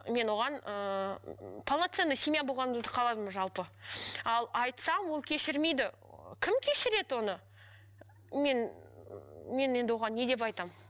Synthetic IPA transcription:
me̞nwo̞ʁɑnə | pʰalˠnat̪se̞nːəjsʲemijabo̞lˠʁɑnəməzd̪əqʰɑlˠɑd̪əməʒɑlˠpəɑlˠɑjt̪sɑmwo̞lˠkʲʰe̞ʃɪɾme̞jd̪ɪ | kʲʰɪmkʲʰe̞ʃɪɾe̞d̪wo̞nə | me̞n | me̞ne̞nd̪ɪwo̞ʁɑnːe̞d̪e̞p̬ɑjt̪ɑm

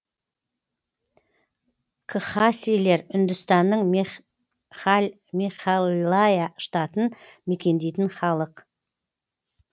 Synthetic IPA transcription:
kʰəχasile̞ɾʏnd̪ʏst̪ɑnːəɴ | miχallajaʃt̪ɑt̪ənme̞kʲe̞nd̪e̞jt̪ɪnχɑlˠəq

